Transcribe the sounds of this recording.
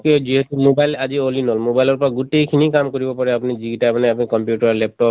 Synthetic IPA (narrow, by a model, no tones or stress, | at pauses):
ked͡ʒiɦɔt̪umobajlad͡ʒiolinɔlmobajlɔɾpɔɾaɡuʈejkʰinikamkoɾibɔpɔɾeapunid͡ʒiɡiʈamaneapnikɔmpjuʈaɾlɛp̚ʈɔ